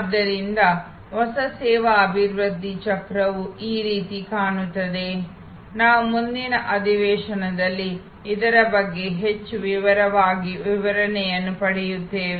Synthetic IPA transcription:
d̪ːɐɾind̪ɐ | ɦɔsɐsɛːʋaːbʱiɾʋɐd̪ʱːit͡ʃɐkɾɐʋuʔiːɾiːt̪ikaːɳut̪ːɐd̪e̞ | naːʋumund̪inɐʔɐd̪ʱiʋɛːʂɐnɐd̪ɐlːiː | d̪ɐɾɐbɐɡːe̞ɦet͡ʃːuʋiʋɐɾɐʋaːɡiʋiʋɐɾɐnɛjɐnːupɐɽɛjut̪ːeːʋe

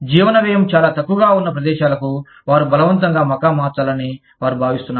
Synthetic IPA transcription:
d͡ʒiːʋɐnɐʋɛːjɐmt͡ʃaːlaːt̪ɐkːuɡaːunːɐpɾɐd̪ɛːʃaːlɐku | ʋaːɾubɐlɐʋɐnt̪̬ɐŋɡaːmɐkaːmaːt͡ʃaːlɐni | ʋaːɾubʱaːʋist̪unːaː

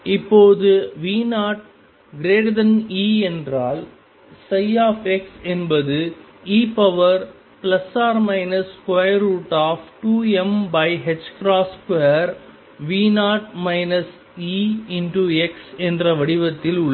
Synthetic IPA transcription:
ɪpːoːðɯʋiːnaːʈ | ɡɾeːɽd̪ɐniːɛndraːl | sɐjaːfɛksɛnbɐðɯ | iːpɐʋɐɾ | plɐsaːɾmɐɪnɐskʋɐjɾuːʈaːfʈuːɛmbɐɪɦɛd͡ʒkɾaːskɐjɐɾ | ʋiːnaːʈmɐɪnɐs | iːɪnʈuɛksɛndrɐʋɐɽɪʋɐt̪ːɪlʊɭː

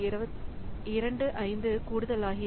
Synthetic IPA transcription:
ɪɾɐɳɖɯʔɐɪnd̪ɯkuːɽɯðɐlaːɣɪ

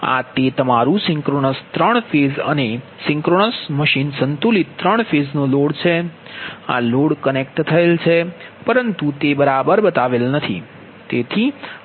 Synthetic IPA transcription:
a̰t̪et̪əmaɾũsɪ̃ŋkɾonəst̪ɾəɳ̃fezə̰ne | sɪ̃ŋkɾonəsməʃinsənt̪ulit̪t̪ːɾəɳ̃feznoloɽt͡ʃʰe | a̰loɽkənek̚ʈt̪ʰəelt͡ʃʰepəɾənt̪ut̪ebəɾabəɾbət̪aʋelnət̪ʰḭ | t̪et̪ʰi

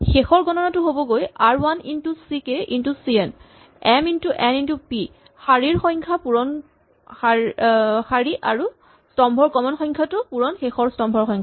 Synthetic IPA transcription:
xexɔɹɡɔnɔnatʊɦobɔɡojaɹwanintusikeʔintusiɛn | ɛmintuʔɛnintupi | xaɹiɹxɔjŋkʰapuɹɔn | a | xaɹiʔaɹu | stɔmbʱɔɹkɔmɔnxɔj̃ŋkʰatʊpuɹɔnxexɔɹstɔmbʱɔɹxɔ̃jŋkʰa

